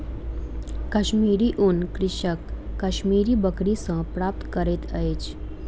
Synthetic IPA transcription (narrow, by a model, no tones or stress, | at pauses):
kəɕmiːɾiʔunkɾɪʃəkːəʃmiːɾibəkɾisə̃pɾap̚t̪kəɾet̪ʰəet͡ʃ